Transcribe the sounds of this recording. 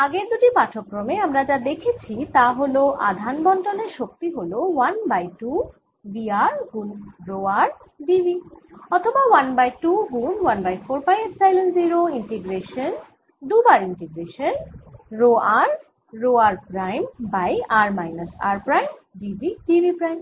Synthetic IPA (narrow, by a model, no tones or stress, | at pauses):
aɡeɾd̪uʈipaʈʰokɾomeamɾad͡ʑad̪ekʰet͡ɕʰit̪aɦoloʔa̰d̪ʱanbɔnʈoneɾʃok̚t̪iɦolowanbajʈu | biaɾɡunɾoaɾ | ɖibiɔt̪ʰobawanbajʈuɡunwanbajfoɾbajeʈsajlonziɾoiɳʈeɡɾeʃon | d̪ubaɾiɳʈeɡɾeʃonɾoaɾː | oaɾpɾajmbajaɾmajnasaɾpɾajmɖibiʈibipɾajm